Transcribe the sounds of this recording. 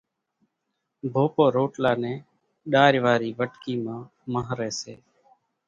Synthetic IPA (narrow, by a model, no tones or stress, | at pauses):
bʱoːpoːɾoːʈlaːnẽː | ɗaːɾʋaːɾiːʋəʈkiːmãː | məɦɾeːseː